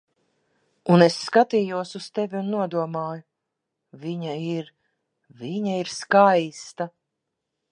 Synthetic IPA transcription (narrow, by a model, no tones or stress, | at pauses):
unesːkat̪iːjuɔsust̪evʲiunːuɔd̪uɔmaːjʊ | viɲaiɾ | viɲaiɾskajst̪a